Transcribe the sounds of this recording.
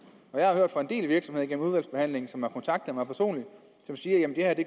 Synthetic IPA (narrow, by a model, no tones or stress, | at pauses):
ɒjɑ̈ɪhɑ̈høɐ̰d̥fɑ̈e̝nde̝̰ːlʋiɐɡ̥sɒmhe̝ð̞̰ˠiɡenm̩uðˠʋæl̰sb̥e̝hæn̰le̝ŋn̩sɒ̽mhɑ̈kʰɒ̽nt͡sʰɑ̈ɡ̥̚d̥ð̩ˠmɑ̈ɪpʰæɐso̝̰ːnli̥ | sɒ̽msiːɐjæmnd̥e̝hæɐd̥e̝